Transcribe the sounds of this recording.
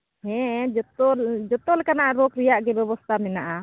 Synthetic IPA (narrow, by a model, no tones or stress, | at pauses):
hɛ̃d͡ʒɔt̪ɔd͡ʒɔt̪ɔlɛkanaʔɾɔkɾijaʔɡɛbɛbɔst̪ʰamɛnaʔa